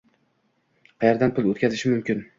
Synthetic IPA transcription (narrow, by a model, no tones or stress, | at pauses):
qʰɑjaɾd̪anpʰʊlˠot̪kʲʰazɪʃɪmʊmkʲʰɪn